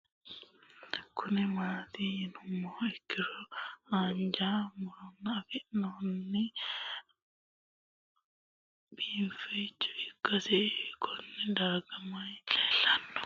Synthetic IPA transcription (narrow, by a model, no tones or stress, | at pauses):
kʰʊnɛmaːt̪ijɪnʊmːoːɛkːɪɾɔaːnd͡ʒamʊɾɔnːɐːfɪnɔnːɛ | biːfet͡ʃʼːʊ̥ɪkːɐsɛkɔnːɛd̪aːɡɐmɐjt͡ʃʼɛːlɐnːɔ̥